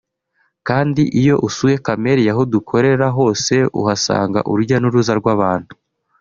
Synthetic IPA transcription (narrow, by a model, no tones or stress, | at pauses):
kaːndiʔijo̞ʔusuje̞kame̞ɾijaɦodukʰo̞ɾe̞ɾaɦo̞ːse̞ṵɦasa̰ːŋɡa̰ʔṵɾuɾɟanuɾuzaɾɡwaβaːn̥hu̥